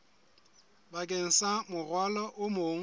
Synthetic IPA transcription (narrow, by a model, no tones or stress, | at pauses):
bakʼeŋ̩samʊrwalɔʔʊmoːŋ̩